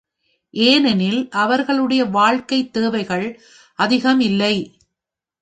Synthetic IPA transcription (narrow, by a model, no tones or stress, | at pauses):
ʔeːnɛnɪlʔɐʋɐɾɣɐɭɯɽɐjɐʋaːɻkɐɪt̪ːeːʋɐɪɣɐɭ | ʔɐðɪɣɐmɪlːɐɪ